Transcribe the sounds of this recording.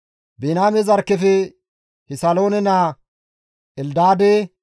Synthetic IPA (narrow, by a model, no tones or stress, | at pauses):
benaːmɛzɐɾkːɛfɛ | hɪsalo̞ːnɛnaː | ʔɛld̪aːd̪e